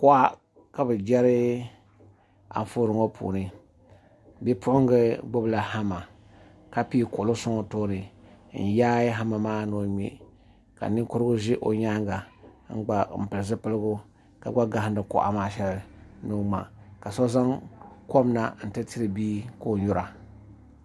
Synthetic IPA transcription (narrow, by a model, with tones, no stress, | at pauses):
kʊ˦ʔa˦ | ka˨bɨ˨d͡ʒɛ˦ɾɨ˦ | a̰˨ɱ˦fo˦ɾɨ˨ŋo˦pʰṵ˨nɨ˦ | bɛ˦pʊ˦ʊ˦ŋɡɨ˦ɡ͡bo˦bla˨ha˦ma˨ | ka˦pi˦kʊ˨lo˦sʊ˦ŋɔ˨toː˦nɨ˨n̩˨jaː˦ɦa˦ma˨maː˦no˦ɲḛ˨ | ka̰˨nɨ˦kʊ˦ɾɨ˦ɡʊ˦ʒɪ˦ʔo˨ɲa˦ŋɡa˨ŋ̩˦ɡ͡ba˨m̩˨pɨ˨lɨ˨zɨ˦pɨ˦lɨ˦ɡʊ˦ | ka̰˨ɡ͡ba˦ɡa˨hndɨ˨ko̰˨ʔa̰˨maː˨ʃɛ˦lno˦ma̰˨ka˨sɔ˦za˦ŋko˦m˦na̰˨n̩˨tɨ˦ti˦ɾɨ˨biː˦ko˦˨ɲu˦ɾa˨